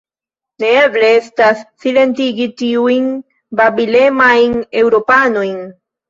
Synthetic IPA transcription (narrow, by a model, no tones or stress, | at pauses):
neebleestasːile̞ntiɡitiujn | babile̞majne̞wɾo̞pano̞jn